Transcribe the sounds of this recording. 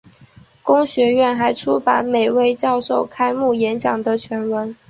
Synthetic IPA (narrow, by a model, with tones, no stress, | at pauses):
kʊ˥ŋɕɥɛ˧˥ɥɛ˥˩nxa˧˥ɪʈ͡ʂʰu˥pa˧˥nme˨˩ɪwe˥˧ɪt͡ɕjɑ˥˧ʊʂo˥˩ʊkʰa˥ɪmu˥˩jɛ˧˥nt͡ɕjɑ˨˩ŋd̪ə˦t͡ɕʰɥɛ˧˥nwə˧˥n